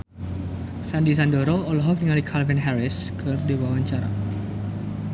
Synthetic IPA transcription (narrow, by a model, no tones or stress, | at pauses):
sandis̬andoɾoɔlɔɦɔk̚niŋalikʰalvɛnɦɛɾɪs | kʰɨrdiwawaɲt͡ʃaɾa̰